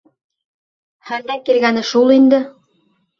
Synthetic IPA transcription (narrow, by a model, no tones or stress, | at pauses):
hænd̪ækilɡænɘʃulˠind̪ɘ